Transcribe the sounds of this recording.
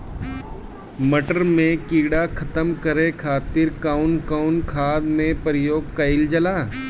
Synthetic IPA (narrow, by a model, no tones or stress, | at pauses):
mɐʈəɾmẽkiːɽakʰɐt̪əmkəɾekʰaːt̪ɪɾkaʊnkaʊnkʰaːd̪mẽpɾɪjoːɡ̚kɐɪld͡ʒɐlaː